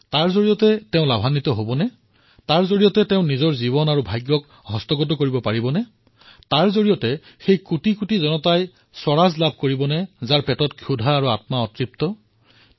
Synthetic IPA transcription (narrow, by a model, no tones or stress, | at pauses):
taɹzoɹijɔtɛtɛʊ̃labʱanːitɔɦobɔnɛ | taɹzoɹijɔtɛtɛʊ̃nizɔɹzibɔnaɹubʱajɡjɔk | ɦɔstɔɡɔt̬ɔkoɹibɔpaɹibɔnɛ | taɹzoɹijɔtɛ | xejkutikutizɔnɔtaj | swɔɹazlab̚ʱkoɹibɔnɛzaɹpɛtɔtkʰjudʱaːɹuatmaɔtɹip̚tɔ